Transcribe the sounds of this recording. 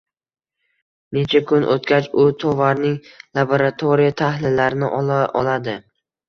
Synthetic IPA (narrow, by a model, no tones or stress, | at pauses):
ne̞t͡ʃʰakʰʊnʔo̰t̪kʲat͡ʃʊt̪ʰɒvaɾnɪŋlˠaboɾat̪ʰoɾijat̪ʰahlɪlːaɾɪnɪʔɒlaɒlad̪ɪ